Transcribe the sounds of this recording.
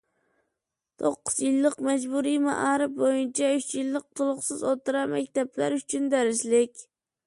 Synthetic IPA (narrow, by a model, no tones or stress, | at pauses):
t̪ʰoqːʊz̥jɪlˠːɪqmad͡ʒbuɾima̰ʔɑɾɪp̚bojɪnt͡ʃʰaʊt͡ʃjɪlːɪq̚t̪ʰʊlˠʊqsɪzot̪ʰɨɾaɾmakʲt̪ʰablaɾʊt͡ʃʰʊnd̪aɾɪslɪkʲ